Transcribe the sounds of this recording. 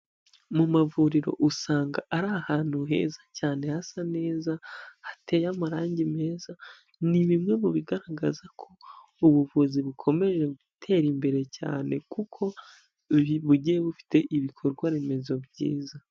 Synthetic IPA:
mumavuɾiɾo̞̰ʔusaːŋɡaʔaɾahaːn̥huɦe̞̰ːzacaːne̞hasane̞ːzahatʰe̞ːjamaɾaːɲɟime̞ːza | niβimŋe̞βuβiɡaɾaɡazakʰo̞ | uβuvuziβukʰo̞me̞ʒe̞ɡutʰe̞ɾimbe̞ɾe̞ca̰ːne̞kukʰo̞ | βuɟijeβufi̥te̞ʔiβikʰo̞ɾɡwaɾeme̞zo̞bɟḭːza

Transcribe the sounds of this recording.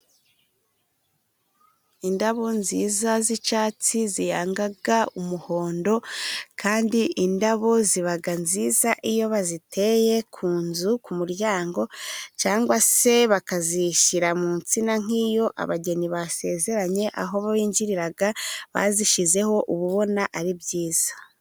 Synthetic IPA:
indaβo̞nziːzazit͡ʃaːt͡sizijaːŋɡaɡaumuho̞ːndo̞kʰaːndiʔindaβo̞ziβaɡanziːzaʔijo̞βazitʰe̞je̞kʰuːnzukumuɾjaːŋɡo̞t͡ʃaːŋɡwase̞βakaziʃiɾamuːnt͡sinaŋ̥iːjo̞ʔa̰βaɟe̞niβase̞ːze̞ɾaɲe̞ʔa̰ɦo̞βaβiːɲɟiɾiɾaɡaβa̰ziʃize̞ho̞ʔuβuβo̞naʔaɾibjiːz̥ḁ

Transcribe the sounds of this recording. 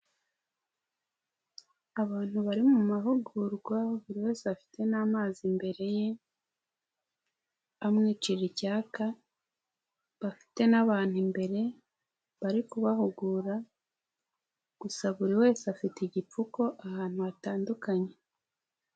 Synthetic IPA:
aβaːn̥huβaɾimumaɦuɡuɾɡwaβuɾiwe̞ːseafi̥te̞naːmaːzimbe̞ɾe̞je̞ | amŋiːt͡ʃiɾicaːka | βafi̥te̞naβaːn̥himbe̞ɾe̞ | βaɾikuβahuɡuːɾa | ɡ̥usaβuɾiwe̞ːseafitiɟip͡fuko̞ʔahaːn̥huataːndukaɲe̞

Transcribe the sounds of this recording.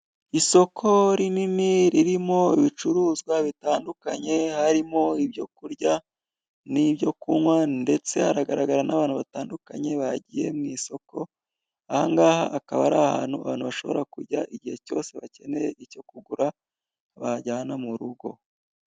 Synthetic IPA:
iso̞kʰo̞ɾininiɾiɾimo̞iβit͡ʃuɾuːzɡwaβitaːndukaɲe̞haɾimo̞ibjo̞kuɾɟa | nibɟo̞kumwande̞t͡se̞haɾaɡaɾaɡaɾanaβaːnhuβataːndukaɲe̞βaɟije̞̰mŋiso̞kʰo̞ | ahaŋɡaːha̰ʔakaβaɾaha̰ːn̥hua̰βaːnhuβaʃo̞̰βo̞ɾakuɾɟaʔiɟihe̞co̞̰ːse̞βace̞ne̞jeʔico̞kuɡuɾa | βaɟaːnamuɾuɡo̞̰

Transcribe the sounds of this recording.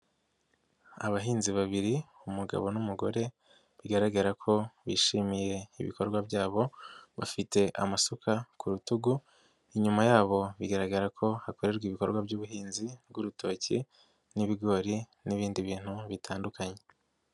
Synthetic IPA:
a̰βaɦiːnziβaβiɾiumuɡa̰βo̞numuɡo̞ɾe̞ | βiɡaɾaɡaɾakʰo̞βḭʃimije̞iβḭko̞ɾɡwabɟaːβo̞βa̰fite̞ʔa̰masukakʰuɾutuɡu | iɲumajaːβo̞βiɡaɾaɡaɾakʰo̞hako̞ɾe̞ɾɡwiβiko̞̰ɾɡwabɟuːβuɦiːnzib̚ɡuɾutʰo̞ːci | niβiɡo̞ːɾi | niβiːndiβiːn̥huβitʰaːndukaɲe̞

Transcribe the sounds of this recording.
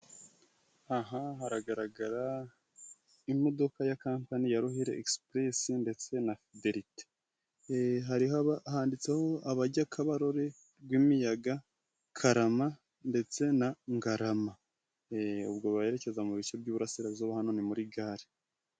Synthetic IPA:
aɦahaɾaɡaɾaɡaɾa | imo̞do̞kajakaːmpanijaɾuhiɾe̞ʔekspɾesinde̞t͡se̞nafide̞ɾite̥ | ɦaɾihaβahaːndit͡se̞ho̞aβaɟakʰaβaɾo̞ɾe̞ | bɡwiːmijaɡa | kʰaɾama | nde̞t͡se̞naŋɡaɾama | ṵbɡo̞βaje̞ɾe̞ce̞zamuβit͡ʃe̞bɟuːβuɾasiɾazoβahano̞nimuɾiɡaːɾi

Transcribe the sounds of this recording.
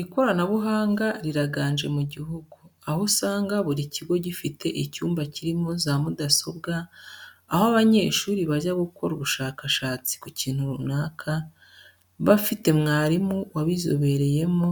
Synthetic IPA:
ɾiko̞ɾanaβuɦaːŋɡaɾiɾaɡaːnd͡ʒe̞̰muɟiɦuɡuahosaːŋɡaβuɾiciɡo̞ɟifitʰe̞ʔicuːmbaciɾimozamudaso̞bɡaː | hoaβaɲe̞ːʃuːɾiβaʒaɡuko̞ɾuβuʃaːkaʃaːt͡si̥kuciːn̥huɾunaːkʰa | βafite̞mŋaːɾimuwaβizo̰βe̞ɾe̞je̞mo

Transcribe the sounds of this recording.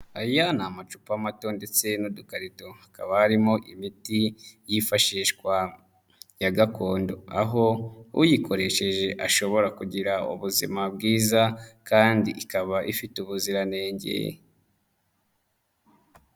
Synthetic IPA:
ajanamat͡ʃu̥pamato̞nde̞t͡se̞nudukaɾito̞akaβahaɾimoʔimitijifaʃiːʃkwa | jaɡakʰo̞ːndo̞aɦo̞ṵjikʰo̞ɾe̞ʃe̞ʒe̞ʔaʃo̞βo̞ɾakuɟiɾaṵβuzḭmab̚ɡiːzakaːndiʔikaβaʔifituβuziɾane̞ːɲɟḛ

